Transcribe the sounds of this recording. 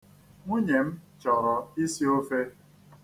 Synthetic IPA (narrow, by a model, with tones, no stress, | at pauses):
ŋʷu˦ɲe˨m̩˦t͡ʃɔ˨ɾɔ˨i˦si˦o˦fe˦